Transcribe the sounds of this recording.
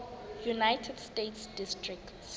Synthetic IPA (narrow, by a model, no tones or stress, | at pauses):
junajtʰɛdstetsdistrik̚ts